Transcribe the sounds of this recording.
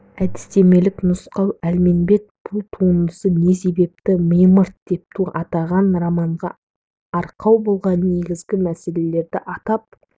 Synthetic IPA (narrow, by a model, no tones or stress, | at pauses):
æd̪ɪ̥st̪e̞me̞lɪknʊsqɑwælme̞nbe̞t̪̚b̥ʊlˠt̪ʰund̪əsəne̞se̞be̞p̚t̪ɪməjməɾt̪̚d̪̥e̞p̚t̪ʰuʔɑt̪ɑʁɑnɾɑmɑɴʁɑ | ɑɾqʰɑwbo̞lˠʁɑnːe̞ɡʲɪzɡʲɪmæse̞le̞le̞ɾd̪ɪʔɑt̪ɑp̚